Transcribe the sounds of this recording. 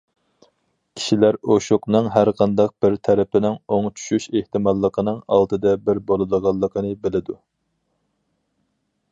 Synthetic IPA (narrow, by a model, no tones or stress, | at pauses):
kʲʰi̥ʃilæɾoʃoqnɨŋɦæɾqʰɑnd̪ɑq̚b̥ɪɾt̪ʰɛɾɪpɪnɪŋoŋt͡ʃʰy̥ʃyʃeht̪ɨmɑlˠːəqʰənɨŋɑ̰lˠt̪ɨd̪ɛbɪɾbolˠɨd̪əʁɑlˠːəqʰənɨbɪlɪd̪u